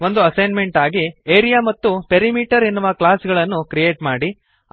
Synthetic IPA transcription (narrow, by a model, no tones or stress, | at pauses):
o̞nd̪uɐsɐjnme̞ɳʈaːɡieːɾijaːmɐt̪ːupeɾimiːʈɐɾinːuʋɐklaːsɡɐɭɐnːukɾije̞ːʈmaːɽi